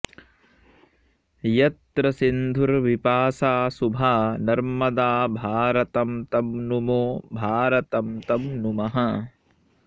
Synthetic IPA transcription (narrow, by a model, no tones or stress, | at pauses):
jɐt̪ɾɐsind̪ʱuɾʋipaːsaːsubʱaːnɐɾmɐd̪aːbʱaːɾɐt̪ɐmt̪ɐmnumoːbʱaːɾɐt̪ɐmt̪ɐmnumɐɦɐ